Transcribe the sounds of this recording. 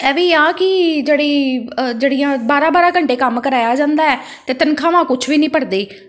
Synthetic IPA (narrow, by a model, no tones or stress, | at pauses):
ɛːʋiːaːkɪd͡ʒeːɽiːd͡ʒeːɽijãːbaːɾãːbaːɾaːkəɳʈeːkəmkəɾaːjaːd͡ʒãːnd̪aːɛː | t̪eːt̪ənkʰãːʋãːkʊt͡ʃʰʋiːnĩːpəɾd̪eː